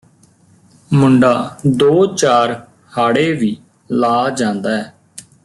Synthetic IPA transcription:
mʊɳɖaːd̪oːt͡ʃaːɾ | haːɽeːʋiː | laːd͡ʒãːnd̪aːɦɛː

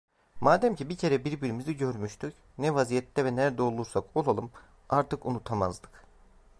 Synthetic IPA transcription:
maːd̪æmcʰibicʰe̞ɾɛbiɾbiɾimiziɟøɾmyʃt̪ʰyc | nɛvazijɛt̪ʰːɛvɛnæɾd̪ɛo̞lˠuɾsako̞lˠalˠɯm | aɾt̪ɯkunut̪ʰama̰zd̪ɯ̥k

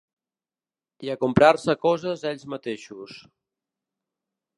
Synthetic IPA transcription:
iəkumpɾarsəkɔzəzɛʎʲzmət̪eʃus

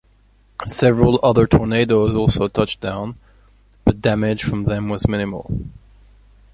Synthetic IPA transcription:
sɛvɹəl̩ˠʌðə˞tʰɔɹneɪɾoʊzɔlˠsoʊtʰʌt͡ʃd̥ãʊ̃n | b̥ʌt̚d̥æmɪd̥ʒ̥fɹʌ̃mðɨ̃mwʌzmɪ̃ñɨml̩ˠ

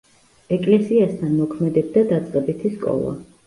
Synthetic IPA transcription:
ɛkʼlɛsiast̪ʰanmɔkʰmɛd̪ɛb̚d̪ad̪at̪sʼqʼɛbit̪ʰiskʼɔ̰lˠa̰

